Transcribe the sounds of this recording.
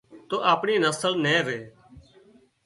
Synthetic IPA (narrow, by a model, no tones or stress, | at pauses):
t̪oːʔaːpɳiːnəsəlnẽːɾeː